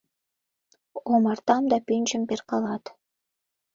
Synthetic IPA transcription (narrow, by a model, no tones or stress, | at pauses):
omɑrt̪ɑmd̪ɑpynʲt͡ʃəmperqɑlɑt̪